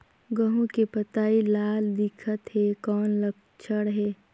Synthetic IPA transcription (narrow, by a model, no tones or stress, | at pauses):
ɡəɦũkepət̪aːilaːld̪ɪkʰət̪ɦekɔːnlək̚ | t͡ʃʰəɽɦeː